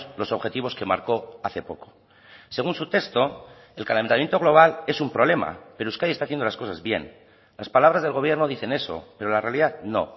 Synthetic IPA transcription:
lo̞so̞βxe̞t̪iβ̞o̞skema̰ɾko̞aθe̞po̞ko̞ | se̞ɣunsut̪e̞st̪o̞ | elkalament̪amje̞nt̪o̞ɣlo̞βalesumpɾole̞ma̰peɾouskaðiest̪aθjend̪olasko̞sazβje̞̰n | laspalaβ̞ɾazðelɣo̞βje̞ɾno̞ðiθe̞ne̞so̰pe̞ɾolare̞aliðaðno̞̰

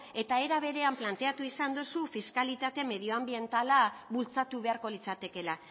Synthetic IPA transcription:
e̞t̪ae̞ɾaβ̞e̞ɾe̞amplant̪e̞at̪uisand̪usufiskalit̪at̪e̞me̞ð̞io̞ambie̞nt̪alaβult͡sat̪uβe̞aɾko̞lit͡sat̪e̞ke̞la

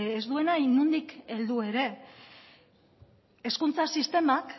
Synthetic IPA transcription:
ezd̪ue̞najnund̪ike̞ld̪ue̞ɾe̞ | e̞skunt͡sasist̪e̞mak

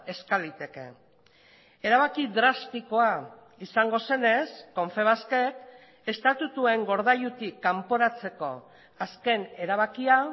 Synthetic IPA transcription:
e̞skalit̪e̞ke̞̰ | e̞ɾaβakiðɾast̪iko̞a | isaŋɡo̞se̞ne̞sko̞ɱfe̞βaske̞k | e̞st̪at̪ut̪ue̞ŋɡo̞ɾðajut̪ikːampo̞ɾat͡se̞ko̞ | aske̞ne̞ɾaβ̞akia

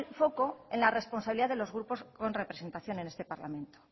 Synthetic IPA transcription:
lfo̞ko̞enlare̞spo̞nsaβiliðaðelo̞zɣɾupo̞sko̞nre̞pɾe̞se̞nt̪aθjo̞nene̞st̪e̞paɾla̰mẽ̞nt̪o̥

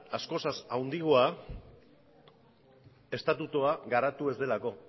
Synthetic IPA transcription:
asko̞sasawnd̪iɣ̞oa | e̞st̪at̪ut̪uaɣaɾat̪ue̞zd̪e̞lako̞

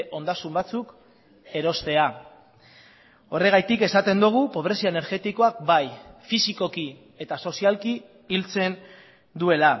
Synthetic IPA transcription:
ʔo̞nd̪asumbat͡suk | e̞ɾo̞st̪e̞a | o̞re̞ɣ̞ajt̪ike̞sat̪e̞nd̪uɣ̞upo̞β̞ɾe̞sioene̞ɾɣe̞t̪iko̞ak̚bajfisiko̞ki | e̞t̪aso̞sialkiː | lt͡se̞n | d̪ue̞la

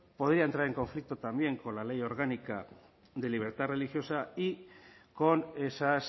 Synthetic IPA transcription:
po̞ðɾiaent̪ɾaɾe̞ŋko̞ɱflik̚t̪ot̪ambje̞ŋko̞nlale̞jo̞ɾɣanika | ðe̞liβ̞e̞ɾt̪are̞lixjo̞saiko̞ne̞sas

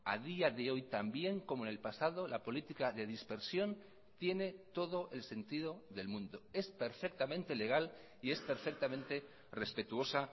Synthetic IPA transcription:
a̰ðiaðe̞o̞jt̪ambje̞ŋko̞monelpasað̞o̞lapo̞lit̪ikaðe̞ðispe̞ɾsjo̞n | t̪je̞ne̞t̪o̞ð̞o̞ʔelse̞nt̪ið̞o̞ðe̞lmũnd̪o̞e̞spe̞ɾfe̞k̚t̪amẽ̞nt̪e̞le̞ɣ̞al | ie̞spe̞ɾfek̚t̪amẽ̞nt̪e̞ | re̞spe̞t̪uo̞sa

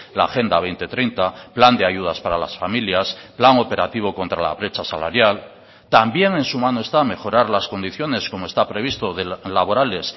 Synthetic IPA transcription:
la̰ːxe̞nd̪aβe̞jnt̪e̞t̪ɾejnt̪apland̪eaʝuð̞aspaɾala̰sfamiljasplaŋo̞pe̞ɾat̪iβ̞o̞ko̞nt̪ɾala̰βɾe̞t͡ʃasala̰ɾjal | t̪ambje̞ŋẽ̞nsumãnoe̞st̪ame̞xo̞ɾaɾlasko̞nd̪iθjo̞ne̞sko̞moest̪apɾe̞β̞ist̪o̞ðelaβ̞o̞ɾale̞s

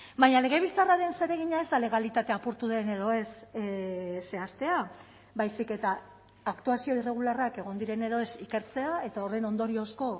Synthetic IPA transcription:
baɲale̞ɣ̞e̞β̞it͡saraðe̞nse̞ɾe̞ɣ̞iɲae̞zd̪ale̞ɣ̞alit̪at̪e̞apuɾt̪uðe̞ne̞ðo̞e̞s | se̞ast̪e̞a | bajsike̞t̪aː | kt̪uasio̞ire̞ɣ̞ularake̞ɣ̞o̞nd̪iɾe̞ne̞ð̞o̞e̞sike̞ɾt͡se̞ae̞t̪ao̞re̞no̞nd̪o̞ɾio̞sko̞

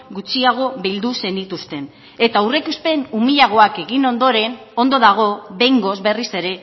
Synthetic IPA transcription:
ɡut͡siaɣ̞o̞βild̪use̞nd̪it̪ust̪e̞n | e̞t̪aure̞kuspe̞numiʎaɣ̞o̞ake̞ɣino̞nd̪o̞ɾe̞n | o̞nd̪o̞ðaɣ̞o̞βe̞jŋɡo̞zβe̞rise̞ɾe̞

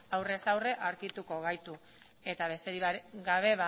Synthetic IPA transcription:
awre̞sawre̞ʔaɾkit̪uko̞ɣ̞ajt̪u | e̞t̪aβe̞st̪eɾiɡaβ̞e̞βa

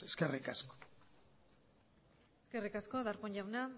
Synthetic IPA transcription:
eskerikasko̥ | eskerikasko̞ðaɾpoɲʎawna

